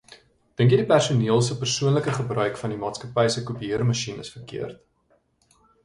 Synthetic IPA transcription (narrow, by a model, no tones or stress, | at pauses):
d̥əŋkjədipærsuniəlˠs̬əpərsuənləkəχəbrœɥkfɐndimɑːtskɐpɛjsəkupiərmɐʃinəsfərkḭərt